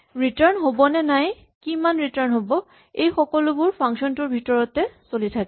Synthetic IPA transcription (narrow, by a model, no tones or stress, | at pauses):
ɹitaɹnɦobɔnɛnaj | kimanɹitaɹnɦobɔ | ejxɔkɔlʊbʊɹpʰaŋsɔntuɹbʱitɔɹɔtɛsolitʰak